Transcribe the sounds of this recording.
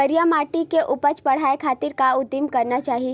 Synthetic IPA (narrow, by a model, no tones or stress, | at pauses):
əɾjəmaːʈikeʔʊpət͡ʃpɐɽ̤aːekʰaːt̪ɪɾkaʊd̪ːɪmkɐɾnat͡ʃaːɦi